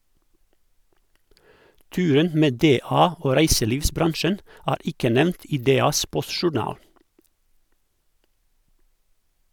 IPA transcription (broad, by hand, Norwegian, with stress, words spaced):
ˈtʉːɾən ˈmeː ˈdeːˌɑː ˈoː ˈɾæɪsəˌliːʋsˌbɾɑnʃən ˈæːɾ ˈɪkə ˈnɛmnt ˈiː ˈdeːˌɑːs ˈpɔsʃʊˌɳɑːl